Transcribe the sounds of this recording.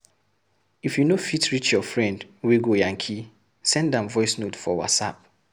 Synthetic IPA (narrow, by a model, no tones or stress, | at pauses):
ifjunofitʰɹit͡ʃjɔfɹɛ̃ndwiɡojãŋkʰi | sɛ̃ndãmvɔɪsnotfɔwa̰tsa̰p̚